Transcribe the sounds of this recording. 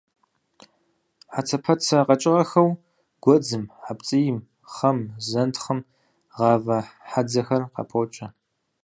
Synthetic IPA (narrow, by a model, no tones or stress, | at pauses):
ħat͡sʰɐpʰɐt͡sʰɐqɐt͡ʃʼɪʁɐxɐw | ɡ̥ʷɔd͡zɨmħapt͡sʼijɪm | χɐmzɐntʰχəm | ʁɑːvɐħad͡zɐxɐrqɑ̰pʰot͡ʃʼɐ